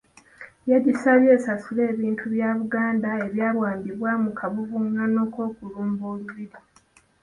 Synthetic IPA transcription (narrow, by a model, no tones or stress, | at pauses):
jeɟisaljeːsasule̞ːβiːntʰuβjaːβuɡaːndaeβjaːβwaːmbiβwamukʰaβuvuŋano̞ːko̞ːkuluːmboːluβiɾi